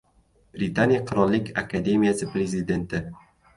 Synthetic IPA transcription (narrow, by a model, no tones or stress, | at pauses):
b̥ɾɪt̪ʰanijaqʰʊɾɒlˠːɪkʲʰakʰad̪e̞mijasɪpɾe̞zɪd̪e̞nt̪ʰɪ